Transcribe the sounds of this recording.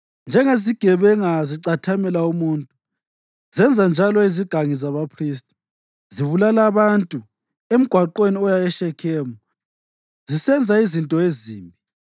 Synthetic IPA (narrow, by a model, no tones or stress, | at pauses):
nd͡ʒʱɛŋeziɡ̥ʱɛβɛŋaziǀatʰamɛlaumuːntʼu | zɛnd͡zʱand͡ʒʱalɔiziɡ̥ʱaŋizaβapʰris̬tʼi̥ | ziβulalaβantʼu | em̩ɡ̥ʱwaǃweniɔjajɛʃɛkʰɛːmu | zisɛnd͡zʱaizintʼɔeziːmbʱi